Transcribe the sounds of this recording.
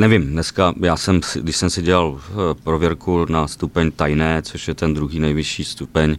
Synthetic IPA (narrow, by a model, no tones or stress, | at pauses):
nɛvɪmnɛskajaːsɛmsɪɡdɪʃsɛmsɪɟɛlalpɾovjɛɾkunast̪upɛɲt̪ajnɛːt͡soʃjɛt̪ɛnd̪ɾuɦiːnɛjvɪʃiːst̪upɛɲ